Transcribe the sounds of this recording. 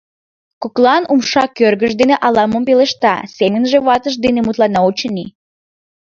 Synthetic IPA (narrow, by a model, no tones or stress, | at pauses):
koklɑnumʃɑkørɣəʃd̪eneʔɑlɑməmpeleʃt̪ɑ̰semənʒeβɑt̪əʃ̬d̪enemut̪lɑnɑot͡ɕəni